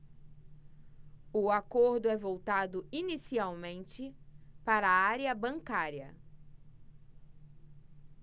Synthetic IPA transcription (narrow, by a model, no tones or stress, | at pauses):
ʊakoɾd̪ʊɛvowt̪ad̪ʊinisiawmẽnt͡ʃɪpaɾɐːaɾjɐbɐ̃ŋkaɾjɐ̰